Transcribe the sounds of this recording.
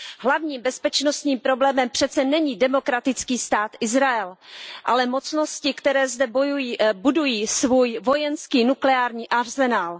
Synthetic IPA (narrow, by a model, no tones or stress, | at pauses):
ɦlavɲiːmbɛspɛt͡ʃno̞st̪ɲiːmpɾo̞blɛːmɛmpr̝̥ɛt̪t͡sɛnɛɲiːdɛmo̞kɾat̪ɪt͡skiːst̪aːt̪ʔɪzɾaɛlʔalɛmo̞t͡sno̞scɪkt̪ɛɾɛːzdɛbojujibudujiːsvuːjvo̞jɛnskiːnuklɛaːɾɲiːʔaɾzɛnaːl